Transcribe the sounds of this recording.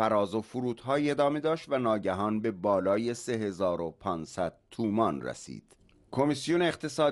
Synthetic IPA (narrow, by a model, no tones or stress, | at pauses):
æɾɒːzofuɾuːt̪hɒːiːe̞d̪ɒːme̞d̪ɒːʃt̪vænɒːɟæɦɒːnbe̞bɒːlɒːje̞se̞ɦe̞zɒːɾopʰɒːnsæd̪̥̚t̪ʰuːmɒnræ̰sḭːd̪̥ | kʰo̞misijoneːqt̪ʰe̞sɒː